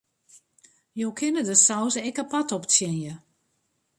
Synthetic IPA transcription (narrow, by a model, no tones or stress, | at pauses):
jowkʰɪnədəsawzəɛkəpatɔpt͡sjɛnjə